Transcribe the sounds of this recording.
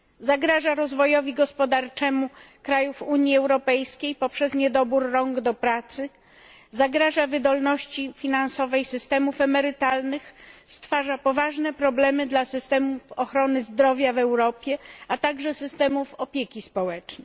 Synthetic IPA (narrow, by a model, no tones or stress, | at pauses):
zaɡɾaʐaɾɔzvɔjɔvʲiɡɔspɔd̪aɾt͡ʂɛmukɾajufuɲjiɛwɾɔpɛjskʲejpɔpʂɛzɲɛd̪ɔbuɾːɔŋɡd̪ɔpɾat̪sɘ | zaɡɾaʐavɘd̪ɔlnɔɕt͡ɕifʲinansɔvɛjsɘst̪ɛmufɛmɛɾɘt̪alnɘxst̪faʐapɔvaʐnɛpɾɔblɛmɘd̪lasɘst̪ɛmufɔxɾɔnɘzd̪ɾɔvʲjavɛwɾɔpʲjɛat̪aɡʐɛsɘst̪ɛmufɔpʲjekʲispɔwɛt͡ʂnɛ